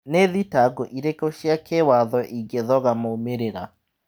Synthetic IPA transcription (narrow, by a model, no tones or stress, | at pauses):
neðitaɡoʔiɾekoʃjakewaðɔʔiɡeðɔɣamoomeɾeɾa